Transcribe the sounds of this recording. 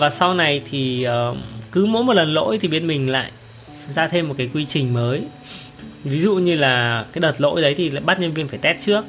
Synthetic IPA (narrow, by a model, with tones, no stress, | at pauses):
vaː˨˩sa˧wna˨˩jt̪ʰi˨˩əː˨˩kɨ˨˦mo̰˧˥jmo˨˩t̚lə˨˩nlo̰˧˥jt̪ʰi˨˩ɓi˦˩ən̚mï˨˩ŋ̟la̰ː˧˨j | zaː˧t̪ʰe˧mː˨˩t̚kaː˨˦jkwi˧t͡ɕï˨˩ŋ̟məː˨˦j | vi˨˦zṵ˧˨ɲɨ˧laː˨˩kaː˨˦jɗəː˨˩t̚lo̰˧˥jɗə˨˦jt̪ʰi˨˩la̰ː˧˨jɓa˦˥t̚ɲə˧nvi˧ənfaː˧˩jt̪ɛ˦˥t̚t͡ɕɨ˦˥ək̚